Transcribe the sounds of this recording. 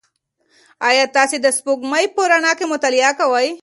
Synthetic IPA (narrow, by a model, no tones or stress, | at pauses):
aːjat̪aːsid̪ɐspuɡmɐjpoɾanaːkemʊt̪alijakɐwaj